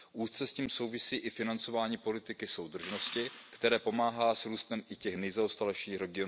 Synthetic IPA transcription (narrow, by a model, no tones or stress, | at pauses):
ʔuːst͡sɛsciːmso̞wvɪsiːʔɪfɪnant͡so̞vaːɲiːpo̞lɪt̪ɪkɪso̞wd̪r̩ʒno̞scɪkt̪ɛɾɛːpo̞maːɦaːsɾuːst̪ɛmʔɪcɛxnɛjzaost̪alɛʃiːxɾɛɡɪo